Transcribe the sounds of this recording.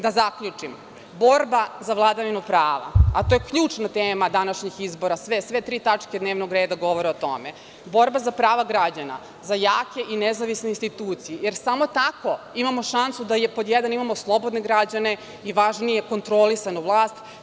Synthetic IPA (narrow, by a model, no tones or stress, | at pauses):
d̪azakʎut͡ʂim | bo̞ɾbazaʋlˠad̪aʋinupɾaːʋa̰at̪ojekʎuːt͡ʂnat̪eːmad̪anaʃɲixizboɾasʋesʋet̪ɾiːt̪at͡ʂked̪neːʋnoɡɾeːd̪aɡo̞ʋoɾeo̞t̪o̞̰me | bo̞ɾbazapɾaːʋaɡɾad͡ʑana̰ | zajaːke̞ʔinezaʋisneinst̪it̪uːt̪sijejeɾsamo̞t̪ako̞ | imamo̞ʃansud̪ajepod̪jɛd̪animamo̞slˠobo̞d̪neɡɾad͡ʑane̞ | iʋaʒnijeko̞nt̪ɾolisanuʋlˠaːst̪